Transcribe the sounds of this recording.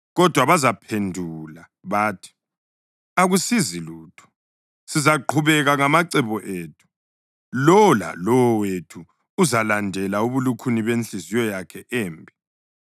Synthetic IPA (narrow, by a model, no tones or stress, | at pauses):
ɣɔd̥ʱwaβazapʰendʱula | βaːtʰi̥ | aɣusiziluːtʰu̥ | sizaǃʰuβɛɣaŋamaǀɛβɔʔeːtʰu̥ | lɔɔla̰lɔwɔwetʰuː | zalandʱɛlauβulukʰuniβent͡ɬizijɔjakʰɛʔɛːmbʱi